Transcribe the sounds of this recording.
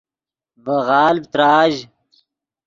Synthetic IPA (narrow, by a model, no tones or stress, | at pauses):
bəɣaːlb̚t̪ɾaːʑ